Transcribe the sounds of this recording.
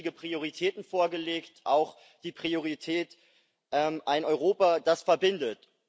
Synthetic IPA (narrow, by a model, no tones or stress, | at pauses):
ɪɡəpʁ̥ioʁ̞itʰɛːtn̩foːɐɡəleːktʔaʊx | d̥iːpʁ̥ioʁ̞itʰɛːt | ʔɛmʔaɪnɔʏʁoːpad̥asfɛɐbɪndət